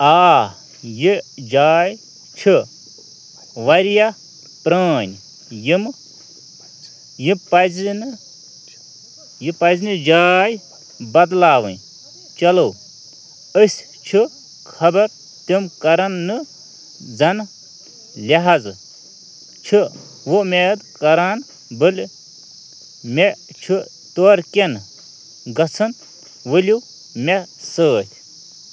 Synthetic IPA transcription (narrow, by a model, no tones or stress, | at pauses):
aː | jid͡ʒaːj | t͡ʃʰi | ʋɐɾja | pɾaːnʲ | jim | jipɐzn | jipɐznɨd͡ʒaːj | bɐd̪laːʋɨ̰̃n | t͡ʃɐlow | əsʲ | t͡ʃʰɨ | kʰɐbɐɾ | t̪imkɐɾɐnːɨ | d͡zɐn | lʲɐɦad͡z | t͡ʃʰɨ | ʋomed̪kɐɾan | bɨlʲ | mʲet͡ʃʰu | t̪oɾken | ɡɐt͡sʰɐn | ʋəlʲu | mʲesəːt̪ʲʰ